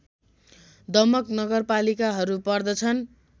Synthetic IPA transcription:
d̪ʌmʌknʌɡʌrpalikaɦʌɾupʌrd̪ʌt͡sʰʌn

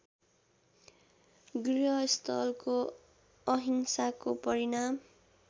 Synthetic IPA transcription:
ɡriɦʌst̪ʰʌlko | ʌɦinsakopʌɾinam

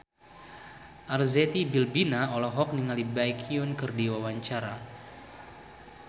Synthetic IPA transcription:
ʔarzet̪ibilbinaɔlɔɦɔk̚niŋalibajkʰiʊnkɨrdiwawaɲt͡ʃaɾa

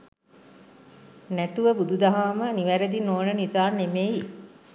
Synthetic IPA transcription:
næt̪uʋəbud̪ud̪aɦaːməniʋæɾed̪inoːnənisaːnemeji

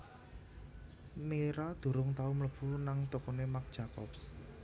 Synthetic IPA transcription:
meɾad̪̥ṳɾʊŋt̪aumləb̥ṳnaŋt̪okonemak̚d̥ʒ̥a̤kɔ̰ps

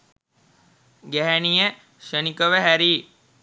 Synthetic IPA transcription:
ɡæɦænijə | ʃənikəʋəɦæɾi

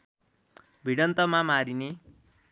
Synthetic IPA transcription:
bʱiɽʌnt̪ʌmamaɾine

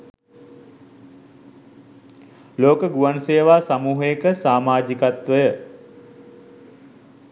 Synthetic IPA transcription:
loːkəɡuʋanseːʋaːsamuːɦəjekəsaːmaːd͡ʒikat̪ʋəjə

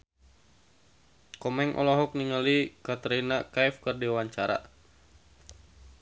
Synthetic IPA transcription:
kɔmɛŋʔɔ̰lɔɦɔk̚niŋalikat̪əɾinakajfkərdiwaɲt͡ʃaɾa̰

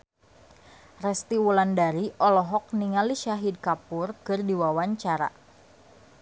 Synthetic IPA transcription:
rɛst̪iwulandaɾiʔɔlɔɦɔk̚niŋaliʃaɦid̚kapʊrkɨrdiwawaɲt͡ʃaɾa̰

